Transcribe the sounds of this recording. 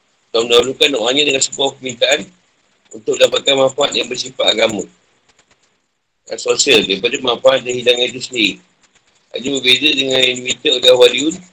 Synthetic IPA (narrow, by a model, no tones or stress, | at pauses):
kawnaulukanːɔʔaɲadəŋansəbuahpəmint̪aʔan | unt̪ʊk̚lapakanmãfaat̪̚jaŋbərsipaʔaɡamə̃ | sosialdaipadamãfaat̪̚danhidaŋad͡ʒisəndiɾi | a̰d͡ʒəbərbezədəŋãninimit̪əɡahwaliun